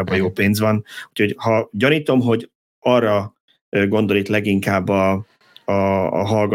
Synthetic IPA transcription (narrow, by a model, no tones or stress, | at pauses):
bɒjoːpeːnzʋɒnucʰho̞ɟhɒɟɒniːt̪o̞mɦo̞ɟ | ɒrːɒ | øɡo̞nd̪o̞lit̪lɛɡiŋkaːbːɒ | ɒ̰ːɦɒlɡ